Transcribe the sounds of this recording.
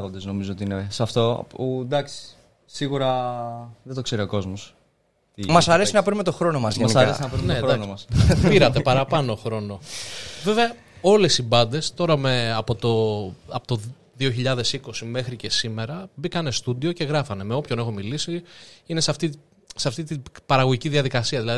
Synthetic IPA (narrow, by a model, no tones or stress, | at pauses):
ɣond̪ezno̞mizoot̪iinesɐft̪o̞̰pud̪ɐksi̥ | siɣuɾɐ | ðet̪o̞kse̞ɾio̞ko̞zmos | t̪imɐsɐɾe̞sinɐpɾinme̞t̪o̞xɾo̞no̞mɐzeniɾesinɐpɾinedɾnomɐspiɾɐt̪e̞pɐɾɐpɐno̞xɾo̞no̞ve̞veɐ | o̞le̞sibɐnd̪e̞st̪o̞ɾɐmeɐpo̞t̪o̞ɐpot̪o | ðioçiʎɐðe̞siko̞sime̞xɾicesime̞ɾɐbikɐne̞st̪ud̪io̞ce̞ɣɾɐfɐne̞meo̞pço̞ne̞xo̞milisiine̞seɐft̪i | seɐft̪it̪ipɐɾɐɣo̞ʝiciðiɐðikɐsiɐðilɐði